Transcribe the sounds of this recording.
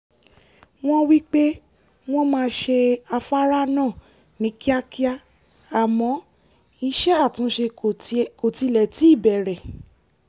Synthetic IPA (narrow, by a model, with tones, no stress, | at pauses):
w̃ɔ̃˦wi˦k͡pe˦ | w̃ɔ̃˦mãː˧ʃe˧a˧fa˦ɾa˦nãː˦˨ | nĩ˨˦ki˦a˦ki˦a˧ | a˨mɔ̃˨˦ | i˧ʃɛ˦a˦˨tũ˨˦ʃe˧˨ko˨ti˧lɛ˨ti˨˦i˦˨bɛ˨ɾɛ˨